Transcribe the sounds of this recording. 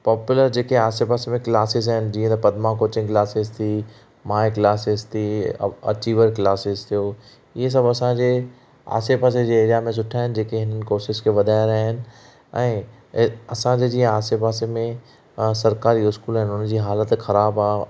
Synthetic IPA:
paːpjʊləɾd͡ʑeːkeaːsepaːsemẽklaːsɪzaɦɪnɪ̆d͡ʑĩːə̃t̪ɐpɐd̪makoːt͡ɕɪ̃ŋkɪlaːsɪzt̪ʰi | mãːɪklaːsɪzt̪ʰḭɐ̰t͡ɕiːʋəɾklaːsɪzt̪ʰijoː | ɪɦes̬ɐbʱɐsãd͡ʑe | a̰ːsepaːs̬ed͡ʑeːɾijamẽs̬ʊʈʰaːɦɪnɪ̆d͡ʑeːkeɦɪnənɪ̆koːʃɪʃkʰeʋɐd̪ʱaːɪɾaːɦɪnɪ̆ | ɛ̃ː | ɐsãɲd͡ʑed͡ʑĩːə̃aːsepaːsemẽ | sɐɾkaːɾiʊskuːlaɦɪnʊnd͡ʑiːɦaːlət̪xɐɾaːbaːɦ

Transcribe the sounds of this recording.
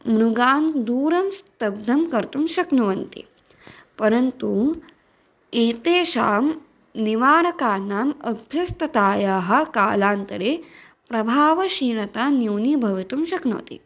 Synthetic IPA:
mɾuɡaːnd̪uːɾɐmst̪ɐb̚d̪ʱɐmkɐɾt̪umʃɐknuʋɐnt̪ḭ | pɐɾɐnt̪u | eːt̪eːʃaːm | niʋaːɾɐkaːnaːmɐbʱjɐst̪ɐt̪aːjaːɦɐ̆kaːlaːnt̪ɐɾeː | pɾɐbʱaːʋɐʃiːnɐt̪aːnjuːnibʱɐʋit̪umʃɐkno̰ːt̪ḭ

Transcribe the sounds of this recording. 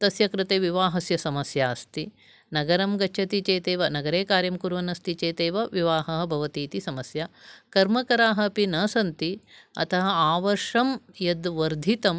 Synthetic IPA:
t̪ɐsjɐkɾɪt̪eːʋiʋaːɦɐsjɐsɐmɐsjaːst̪i | nɐɡɐɾɐmɡɐt͡ʃʰɐt̪it͡ʃeːt̪eːʋɐnɐɡɐɾeːkaːɾjɐmkuɾʋɐnɐst̪it͡ʃeːt̪eːʋɐʋiʋaːɦɐɦɐ̆bʱɐʋɐt̪iːt̪isɐmɐsjakɐɾmɐkɐɾaːɦɐ̆pinɐsɐnt̪iɐ̰t̪ʰɐɦɐaːʋɐɾʂɐmjɐd̪ʋɐɾd̪ʱit̪ɐm

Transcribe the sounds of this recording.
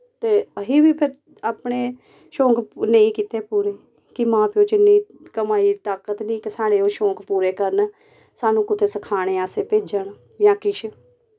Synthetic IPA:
t̪eːəɦiːʋiːpʰɪɾ | aːpɳeː | ʃõːkneĩːkiːt̪eːpuːɾeː | kɪmãːpjõːt͡ʃɪnːiː | kəmaːiːt̪aːkət̪nĩːkəsaːɽeːoːʃõːkpuːɾeːkəɾn | saːnũːkʊt̪ʰeːsəkʰaːɽ̃eːaːseːpeːd͡ʒəɳ | jãːkɪʃ

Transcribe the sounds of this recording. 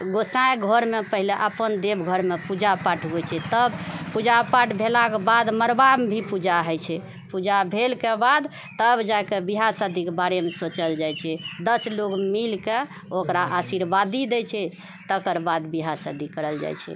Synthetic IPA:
ɡosãẽɡʱəɾmepəɦileʔəpənd̪ebɡʱəɾmepud͡ʒapaʈʰɡojt͡ʃʰɛt̪əbpud͡ʒapaʈʰbʱelakebad̪məɾbambʱipud͡ʒaɦəjt͡ʃʰɛ | pud͡ʒabʱelkebad̪ | t̪əbd͡ʒakebiɦasəd̪ʱikebaɾemesot͡ʃəld͡ʒajt͡ʃʰɛd̪əslokmilke | okɾaʔasiɾbad̪id̪ɛt͡ʃʰɛ | t̪əkəɾbad̪biɦasəd̪ikəɾəld͡ʒa̰jt͡ʃʰɛ̰

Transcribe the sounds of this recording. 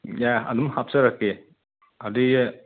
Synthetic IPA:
jaɐ̰d̪umhapsaɾaki | adi

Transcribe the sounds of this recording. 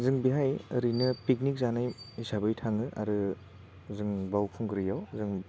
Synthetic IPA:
zɯŋbiɦajɐɾinɯpik̚nik̚zanajisʰabɯjtʰaŋɯʔa̰ɾɯ | zɯŋbawpʰuŋɡɯɾijawzɯŋ

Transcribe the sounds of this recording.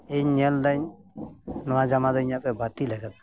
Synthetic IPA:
eɲɛld̪aɲ | nɔad͡ʒamad̪ɔiɲapɛbat̪ilɛɡət̪̚

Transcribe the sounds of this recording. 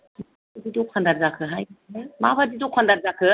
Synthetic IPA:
ma | badidɔkʰandaɾzakʰɯɦajɯmabadidɔkʰandaɾzakʰɯ

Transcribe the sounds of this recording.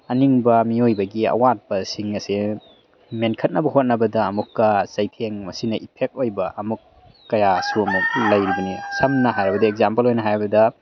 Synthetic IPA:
ɐniŋbɐmiojbɐɡiɐ̰wat̚bɐsiŋɐse | menkʰɐt̚nɐbɐɦot̚nɐbɐdɐːmukːɐzɐjpʰeŋmɐsinɐʔipʰek̚t̚ojbɐʔɐmukː | ɐjasuɐmuk̚lɐjɾibɐnisɐmnɐɦajɾɐbɐdɐekzampɐlojnɐɦajɾbɐdɐ

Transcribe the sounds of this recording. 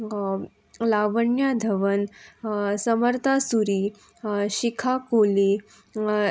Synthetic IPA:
laʋəɳjad̪ʱəʋən | səməɾt̪ʰasuɾiː | ɕikʰakoli

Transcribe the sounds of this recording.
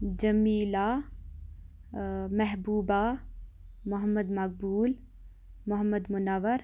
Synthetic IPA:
d͡ʒɐmiːla | mɛɦbuːba | mʊɦəmːəd̪mɐk̚buːl | mʊɦəmːəd̪mʊnɐʋəɾ

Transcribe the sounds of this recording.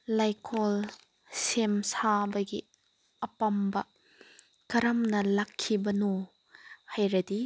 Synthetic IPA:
lajkʰol | semsabɐɡi | ɐpɐmbɐ | kɐɾɐmnɐlɐkʰːibɐno | hajɾɐdi

